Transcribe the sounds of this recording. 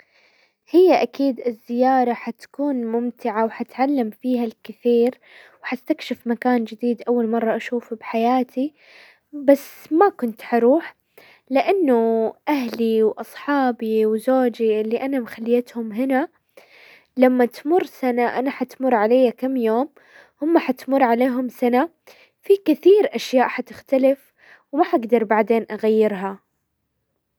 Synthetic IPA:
hɪjːaʔakiːd̪ɪzːɪjɑːɾˤɑħat̪kuːnmʊmt̪ɪʕawħat̪ʕalːamfiːhalkɪθiːɾ | wħast̪akʃɪfmakaːnd͡ʒɪd̪iːd̪ʔawːalmɑrˤːɑʔaʃuːfbħajaːt̪ʰi | basːmakʊnt̪ħɑɾuːħ | lɪʔanːʊʔaɦliwʔɑsˤħɑːbiwzoːd͡ʒiʔɪlːiʔanamxalːjat̪hʊmɦɪna | lamːat̪mʊrːsanaʔanaħat̪mʊrˤːʕalajːakamːjoːm | hʊmːaħat̪mʊrˤːʕaleːɦʊmsana | fikɪθiːɾʔaʃjaːʔħat̪ɪxt̪alɪf | wmaħaɡd̪ɑɾˤbaʕd̪eːnʔaɣajːɪɾɦa

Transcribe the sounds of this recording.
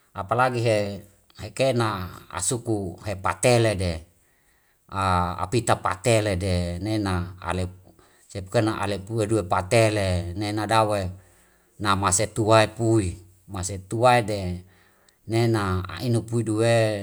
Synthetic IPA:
apalaɡiɦe | hekenaa̰sukuhepa̰t̪elede | aa̰pit̪apa̰t̪eledenenaa̰le | sepukenaʔa̰lepueduepat̪elenenadawe | namaset̪uaepui | maset̪uaede | nenaa̰inupuiduwe

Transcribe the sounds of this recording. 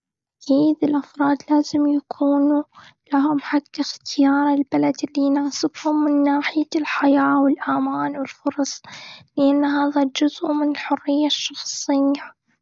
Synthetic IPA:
ʔʔkiːd̪ɪlʔafɾˤɑːd̪laːzɪmjakʰuːnulaɦʊmħakːaxt̪ɪjɑːɾˤɪlbalad̪ɪlːinaːsˤɪbhʊmːɪnːaːħɪjalħajaːwɪlʔamaːnwɪlfʊɾˤɑsˤlɪʔanːɦaːðad͡ʒʊzʔmɪnɪlħʊrːɪjːaʃːɑxsˤɪjːa

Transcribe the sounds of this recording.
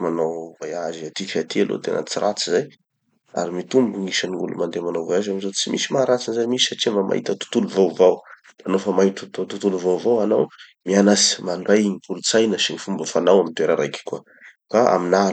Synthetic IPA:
manawvajaziat̪ifat̪ʰialo̰t̪ḛnə̰t͡siɾat͡sizaj | a̰ɾimit̪umbuŋiʃaniṵlṵmand̪emanawvajazamizot͡simisimaɾat͡sinzajmisisaʈ͡ʂimvəmʔa̰ɦḭt̪ət̪u̥t̪uluvawvaw | d̪̥anofəmait̪ut̪t̪ut̪uluvawvawanaw | mianasi̥maɳɖ͡ʐajɲikulut͡sajnəʃiɲifumbəfanawamint̪weɾaɾajki̥kua | kaʔa̰mina

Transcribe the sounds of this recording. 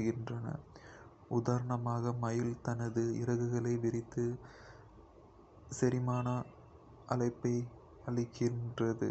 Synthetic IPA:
ɣɪndrɐnɐ̰ | ʊðaːɾɐɳɐmaːɣɐmɐjɪlt̪ɐnɐðɯɪɾɐɣɯɣɐɭɐɪʋɪɾɪt̪ːɯ | sɛɾɪmaːnɐ | ʔɐlɐɪpːɐɪ | ɐɭɪkːɪndrɐðɯ̰

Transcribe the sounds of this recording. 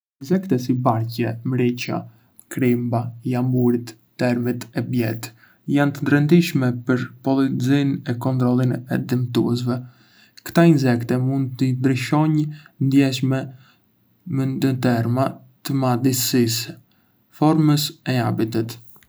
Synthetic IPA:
inzɛkt̪ɛs̬ibaɾcɛmɾit͡ɕa̰ | kɾimbajambuɾit̪ːɛɾmit̪ɛbjɛt̪ | jant̪əd̪ɾɛnd̪iʃmɛpəɾpɔlˠizinɛkɔnt̪ɾɔlˠinɛ̰d̪imt̪ṵɛs̬vɛ | kt̪ainzɛkt̪ɛmund̪̚t̪əd̪ɾiʃɔɲnd̪jɛʃmɛ | mənd̪ət̪ɛɾma | t̪əmad̪isis | fɔɾməsɛabit̪ət̪

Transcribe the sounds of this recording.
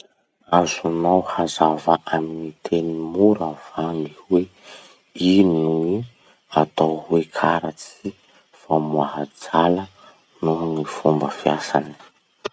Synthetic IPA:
azunawhazavaʔaminit̪ʰenimuɾav̥aŋihwe | inui | at̪awhwekʰaɾat͡si | famuaɦad͡zalə | nunifumbəfijasani̥

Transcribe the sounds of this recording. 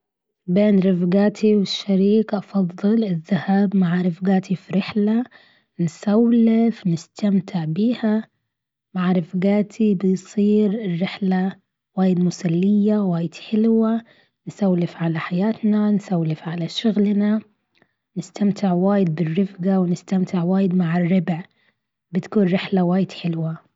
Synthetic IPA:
beːnɾɪfɡaːt̪ʰiwɪʃːaɾiːkʔɑfɑðˤːɨlɪðːahaːbmaʕaɾˤɪfɡaːt̪ʰifiɾɪħla | nsawlɪfnɪst̪ʰamt̪ɪʕbiːha | maʕaɾˤɪfɡaːt̪ʰibɪjsˤiːɾɪrːɪħla | waːjɪd̪mʊsalːɪjːawaːjɪd̪̥ħɪlwa | nsawlɪfʕalaħajaːt̪nansawlɪfʕalaʃʊɣlna | nɪst̪amt̪ɪʕwaːjɪd̪̚bɪrːɪfɡawnɪst̪amt̪ɪʕwaːjɪd̪maʕɪrːɪbʕ | bɪt̪kuːnɾɪħlawaːjɪd̪̥ħɪlwa

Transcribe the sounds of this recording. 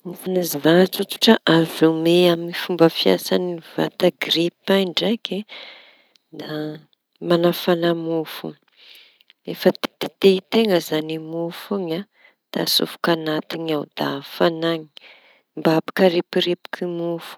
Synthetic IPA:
ifanazivat͡sut̪u̥ʈ͡ʂəʔavumeaminifumbəfia̰saniva̰t̪aɡɾipajɳɖ͡ʐake | d̪a | manafanamufṵ | efət̪t̪it̪eit̪eŋɡəzanimufuɲa | d̪̥a̰sṵfu̥kanat̪iɲawd̪̥a̰fanaɲi̥ | mbabi̥kəɾepiɾepi̥u̥kʰimufu̥

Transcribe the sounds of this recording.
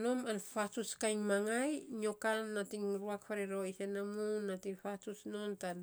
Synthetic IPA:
no̞manfatuskajŋmaŋajɲokanːatiŋɾuakfaɾeɾoisenamunːatifatusnontan

